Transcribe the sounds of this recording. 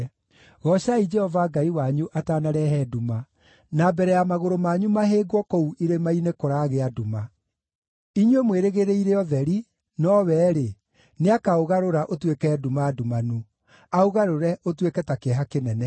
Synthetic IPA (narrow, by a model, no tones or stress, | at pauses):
ɣɔʃaid͡ʒɛhɔvaɡaiwaɲuʔataːnaɾɛɦɛduma | nabɛɾɛjamaɣoɾomaɲumaɦeːɡwɔkɔuʔiɾemainekoɾaːɣeaduma | iɲwemweɾeɣeɾeiɾeɔðɛɾi | nɔwɛːɾe | neakaoɣaɾoɾaʔotwekɛdumaːdumanu | aoɣaɾoɾɛʔotwekɛtakeɛɦakenɛnɛ